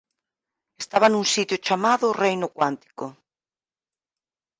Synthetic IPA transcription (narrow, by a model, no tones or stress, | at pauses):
est̪aβanũŋsit̪jʊt͡ʃamaðʊrejnʊkwant̪i̥kʊ